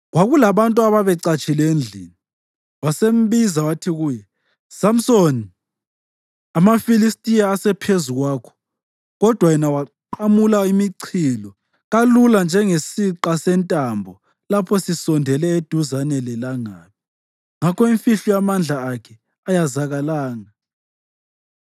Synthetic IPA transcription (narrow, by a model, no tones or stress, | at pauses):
ɣwaɣulaβantʼuaβaβɛǀat͡ʃʰʼilend͡ɮʱini | wasem̩βizawatʰiɣuːjɛ | sam̩soni | amafilistʼijaːsɛpʰezuɣwaːkʰɔ̥ | ɣɔd̥ʱwajɛnawaǃamulaimiǀʰilɔ | ɣaluland͡ʒʱɛŋesiǃasɛntʼambʱɔ | lapʰɔsisɔndʱɛlɛed̥ʱuzanɛlɛlaŋaːpʰi̥ | ŋakʰɔiɱfiɬujamand͡ɮʱaːkʰɛ | ajazaɣalaːŋa